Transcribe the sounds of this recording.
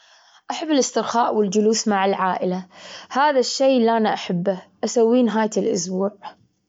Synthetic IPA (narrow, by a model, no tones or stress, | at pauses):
ʔaħabːɪlɪst̪ɪɾxaːʔwɪld͡ʒʊluːsmaʕɪlʕaːʔɪlahaːðaʃːeːlʔanaʔaħabːaʔasawːiːnɦaːjt̪ɪlʔʊ̰sbuːʕ